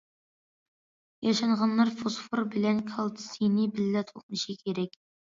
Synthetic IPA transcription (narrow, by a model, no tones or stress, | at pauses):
jɑʃɑɴʁɑnlɑɾfosfoɾbɪlɛnkʲʰɑlˠt̪ʰɨ̥sijnɪbɪlːɛt̪ʰoq̚nɨʃikʲʰeɾɛkʲ